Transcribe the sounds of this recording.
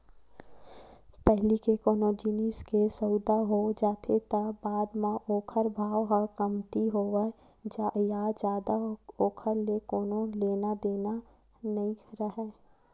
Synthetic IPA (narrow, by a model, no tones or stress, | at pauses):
pɛɦlikekoːnod͡ʒiniskesəʊd̪aɦod͡ʒaːt̪ʰet̪abaːd̪mãʔoːkʰəɾbʱaːʋɦakəmt̪iɦoːʋɛ | d͡ʒjad͡ʒjaːd̪aoːkʰəɾlekoːnõleːnad̪eːna | nɐĩɾəɦɛː